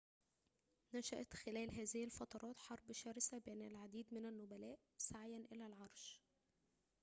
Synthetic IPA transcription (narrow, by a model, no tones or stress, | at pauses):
næʃæʔæt̪xelæːlɦæːzɪhilfɑt̪ˤɑɾˤɑːt̪ħɑɾˤbʃæːɾɪsæbʔænælʕad̪iːd̪mɪnænːobælæːʔ | saʕjænʔɪlælʕɑɾˤʃ